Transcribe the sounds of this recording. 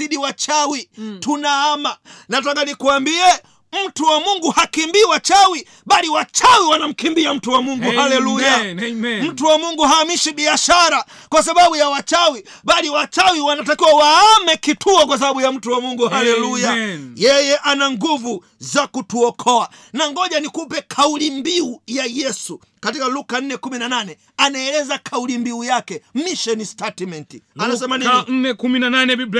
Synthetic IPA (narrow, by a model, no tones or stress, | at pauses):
iɗiwat͡ʃawitunaamanat̬aɡanikuambiɛ | m̩tuwamuŋɡuhakimbiwat͡ʃawi | ɓaliwat͡ʃawiwanam̩kimbiam̩tuwamuŋɡuhalɛlujam̩tuwamuŋɡuhaːmiʃiɓiaʃaɾa | kwas̬aɓaɓujawat͡ʃawi | ɓaliwat͡ʃawiwanat̬akiwawaamɛkitʰuɔkwas̬aɓaɓujam̩tuwamuŋɡuhalɛlujajɛjɛʔanaŋɡuvu | zakutuɔkʰɔanaŋɡɔʄanikupɛkʰaulimbiujajɛsu | katikalukan̩nɛkuminananɛ | anaɛlɛzakʰaulimbiujakɛmiʃɛnistatimɛntianasɛmaniɛkuminananɛi